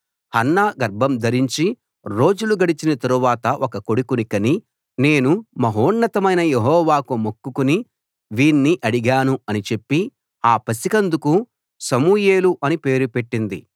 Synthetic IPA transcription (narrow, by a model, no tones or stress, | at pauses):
hɐnːaːɡɐɾbʱɐmd̪ʱɐɾiɲt͡ʃi | ɾo̞ːd͡ʒuluɡɐɽit͡ʃinɐt̪ɐɾuʋaːt̪ɐʔɔkɐko̞ɽikunikɐni | ne̞ːnumɐɦoːɳːɐt̪ɐmɐjnɐjeɦɔːʋaːkumokːukuni | ʋiːnːiʔɐɽiɡaːnuɐnit͡ʃe̞pːi | aːpɐsikɐnd̪uku | sɐmuːjeːluʔɐnipe̞ːɾupe̞ʈːind̪ḭ